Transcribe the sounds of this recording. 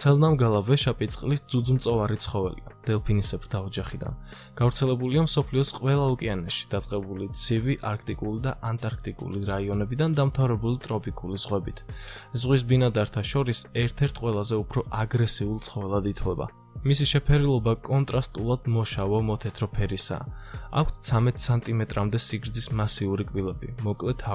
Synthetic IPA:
t̪sʰɛlˠnamɡalˠavɛʃapʼit̪sʼqʼlisd̪zud̪zmt̪sʼɔvaɾit̪sʰχɔvɛlḭa̰d̪̥ɛlˠpʰinisɛpsd̪ʰaɔd͡ʒaχid̪a̰n | ɡ̥avɾt̪sʰɛlɛbuliamsɔpʰliɔsqʼwɛlˠaukʼɛanɛʃi̥d̪̥at̪sʼqʼɛbulit̪sʰiviʔaɾk̚ʰt̪ʼikʼulid̪aʔant̪ʼaɾk̚ʰt̪ʼikʼṵliɾaiɔnɛbid̪and̪amt̪ʰavɾɛbulit̪ʼɾɔpʰʼikʼulizʁwɛbit̪ʰ | zʁwis̬binad̪aɾt̪ʰaʃɔɾisɛɾt̪ʰɛɾt̪ʰqʼwɛlˠazɛupʰɾɔʔaɡɾɛsiulˠt̪sʰχɔvɛlˠad̪it̪ʰwɛba̰ | misiʃɛpʰɛɾilˠɔbakʼɔnt̪ʼɾast̪ʼulˠad̪̥mɔʃavɔmɔt̪ʰɛt̪ʰɾɔpʰɛɾisa̰a̰kʷʰtt̪sʰamɛt̪ʼsʰant̪ʼimɛt̪ʼɾamd̪ɛsiɡɾd̪zismasiuɾikʼwilɛbḭmɔkʼlɛt̪ʰa

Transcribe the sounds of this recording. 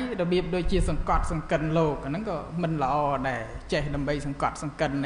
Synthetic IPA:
jrɔɓiəp̚ɗoːc̚t͡ɕiəsɑŋkɑt̪̚sɑŋkɨnloːk̚ʔanɨŋkɑːmɨnlə̆ʔɑːɗaɛlt͡ɕehɗaəmɓəjsɑŋkɑt̪̚sɑŋkɨnːɨ

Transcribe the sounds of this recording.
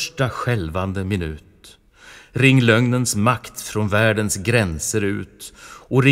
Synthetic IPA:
ʂʈaɧɛlvand̪əmɪnʉ̟̰ːt̪ | ɾɪŋːlœŋnənsmakt̪fɾɔnvæːɖənsɡɾɛnsəɾʉ̟̰ːt̪ɔɾɪ

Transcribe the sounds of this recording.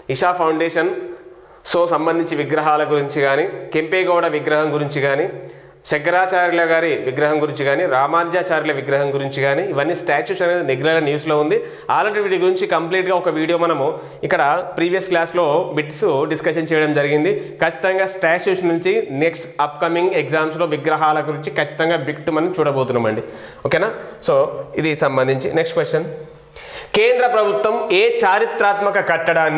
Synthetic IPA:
iʂaːpʰɐwɳɖeːʂɐn | soːsɐmbɐnd̪ʱiɲt͡ʃiʋiɡɾɐɦaːlɐɡuɾiɲt͡ʃiɡaːnikempeːɡɔːɽɐʋiɡɾɐɦɐmɡuɾiɲt͡ʃiɡaːni | ʃɐɡɐɾaːt͡ʃaːɾlɐɡaːɾiʋiɡɾɐɦɐmɡuɾiɲt͡ʃiɡaːniɾaːmaːɾd͡ʒjaːt͡ʃaːɾilɐʋiɡɾɐɦɐmɡuɾiɲt͡ʃiɡaːniːʋɐnːisʈaːt͡ʃuːsɐne̞ːd̪iniɡɾɐːlɐnjuːsloːund̪i | a̰ːlɐʈiʋiɖiɡuɾiɲt͡ʃikɐmpliːʈɡaːɔkɐʋiːɽijoːmɐnɐmu | ikːɐɽɐpɾiːʋijɐsklaːslo̞ːbiʈsuɖiskɐʃɐnt͡ʃɛːjɐɽɐmd͡ʒɐɾiɡind̪ikɐt͡ʃːi̥t̪ɐŋɡaːsʈaːt͡ʃuːsnuɲt͡ʃineksʈɐpkɐmiŋɡeɡzaːmslo̞ːʋiɡɾɐɦaːlɐɡuɾiɲt͡ʃikɐt͡ʃːi̥t̪ɐŋɡaːbikʈumɐnɐmt͡ʃuːɽɐbo̞ːt̪unːɐːmɐɳɖi | oːkeːnaːsoːid̪isɐmbɐnd̪iɲt͡ʃineksʈkʋesʈt͡ʃɐn | keːnd̪ɾɐpɾɐbʱut̪wɐmeːt͡ʃaːɾit̪ɾaːt̪mɐkɐkɐʈːɐɽaːn

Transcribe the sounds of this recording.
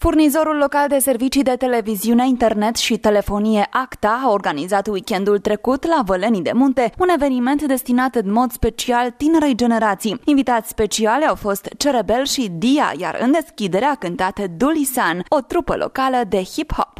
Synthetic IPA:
furnizo̞ɾulːo̞kald̪e̞se̞rvit͡ʃid̪e̞t̪e̞le̞viziune̞int̪e̞rne̞t̪ʃit̪e̞le̞fo̞nije̞ʔakt̪aːo̞rɡanizat̪wikʲe̞nd̪ult̪ɾe̞kut̪lavələnid̪e̞̰munt̪e̞une̞ve̞nime̞nt̪d̪e̞st̪inat̪ɨnmo̞d̪spe̞t͡ʃialt̪ine̞ɾejd͡ʒe̞ne̞ɾat̪sijinvit̪at̪sʲspe̞t͡ʃialʲawfo̞st̪t͡ʃe̞ɾebe̞lʃid̪ia̰ja̰ɾɨ̰nd̪e̞skʲid̪e̞ɾeakɨnt̪at̪əd̪ulisano̞t̪ɾupə̰lʔo̞̰kaləd̪e̞hipho̰p

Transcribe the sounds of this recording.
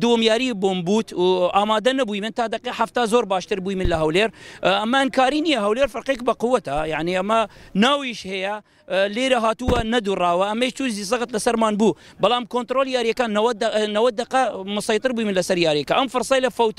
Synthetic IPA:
d̪uwɐmjaːɾiːboːmbuːt̪ʔaːmaːd̪ɐnɐbuːjmɨnt̪aːd̪ɐqiħaft̪aːzoːɾbaːʃt̪ɨɾbujmɨnlɐɦɐwleːɾʔɐmɐɪnkaːɾiːnijɐɦɐwleːɾfɐɾqekbɐqʊwːɐt̪ajaʕniʔɐmɐnaːwiʃhejɐ | leːɾɐɦaːt̪uwɐnɐd̪uːrˤɑːwɐʔɐmeʃt͡ʃuːzis̬ˤɨɣɨt̪lɐsɐɾmaːnbuː | bɐlaːmkoːnt̪ɾoːljaːɾjɐkanɐw̪nɐwɐd̪ɐqɐmɨsˤɑjt̪ˤɨɾbuːjmɪnlɐsɐɾjaːɾijɛkɐʔɐmfɨɾsˤɑjlɐfɐwt̪

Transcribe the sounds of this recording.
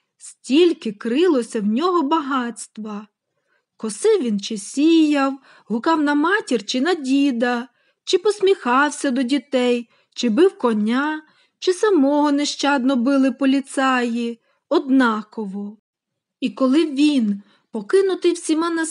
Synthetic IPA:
sʲtʲilʲkɪkɾɪlˠɔsʲɐwnʲɔɦɔbɐɦɑtʲsʲt̪ʋɐ | kɔsɪʋʲint͡ʃɪsʲijɐw | ɦʊkɑwnɐmɑtʲirt͡ʃɪnɐdʲid̪ɐ | t͡ʃɪpɔsʲmʲixɑwsʲɐd̪ɔdʲit̪ɛj | t͡ʃɪbɪwkɔnʲa | t͡ʃɪsɐmɔɦɔneʃt͡ʃɑd̪nɔbɪlˠɪpɔlʲit̪sɑji | ɔd̪nɑkɔʋɔ | ikɔlˠɪʋʲin | pɔkɪnʊt̪ɪwsʲimɑnɐ

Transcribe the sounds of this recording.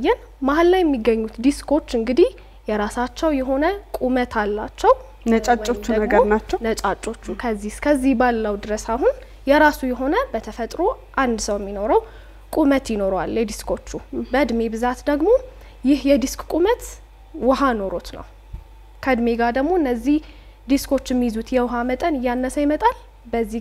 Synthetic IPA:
jːɛn | mahlːajɛmːiɡːəɲːut̪d̪iskʰo̞t͡ʃːɨŋɡɨd̪ih | jɛɾasat͡ʃːɛwjɛɦo̞nəkʼumət̪ʰalːat͡ʃːɛw | nət͡ʃʼaot͡ʃt͡ʃːuəmɡənat͡ʃːnət͡ʃʼat͡ʃʼːo̞t͡ʃːukʰəzːihkʰəzːihbalːəwd̪ɨɾəsahun | jɛɾasujɛɦo̞nəbət̪ʰəfət̪ʼɾo̞ | ʔand̪səwjɛmːino̞ɾəw | kʼumət̪jɪno̞ɾwa̰ljɛd̪iskʰo̞t͡ʃːubəd̪me̞bɨzat̪d̪əɡmo̞ | jɪhjɛd̪iskʼkʼumət̪ | wɔɦano̞ɾot̪nə̰w | kʰəd̪me̞ɡad̪əɡmo̞ɨnːəzːih | d̪iskʰo̞t͡ʃːɪmːijzut̪jɛwɦamət̪ʼənɨjːanːəsəjɛmət̪ʼal | bəzːi

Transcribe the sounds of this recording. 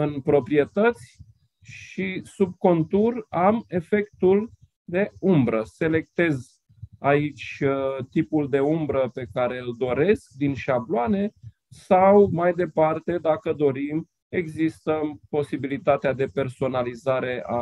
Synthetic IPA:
ɨnpɾo̞pɾie̞t̪ət̪sʲ | ʃisub̚ko̞nt̪urame̞fe̞kt̪ul | d̪e̞umbɾəse̞le̞k̚t̪e̞z | ait͡ʃʲt̪ipuld̪e̞umbɾəpe̞kaɾe̞ɨld̪o̞ɾe̞sk̚d̪inʃabloane̞ | sawmajd̪e̞part̪e̞d̪akəd̪o̞ɾim | e̞ɡzist̪əpo̞sibilit̪at̪ead̪e̞pe̞rso̞nalizaɾe̞a̰

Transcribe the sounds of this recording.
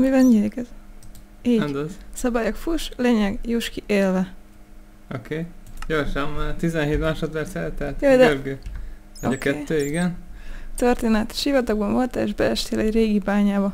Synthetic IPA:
mivɛlɲilikɛz | iːɛnd̪osɒbaːjokfuʃleːɲɛɡjuʃkiʔeːlvɛ | okeːɟorʃɛmːat̪izɛnɦeːt̪maːʃot̪ʋɛrt̪sɛlt̪ɛt̪joːd̪ɛølɡøɒoɟɒkɛːt̪ːøːiɡɛnt̪ørt̪eːnɛt̪ʃivɒt̪ɒɡ̚bɒɱvo̞lt̪ɛeːʒbɛɛʃt̪eːlɛɟreːɡibaːɲaːbɒ

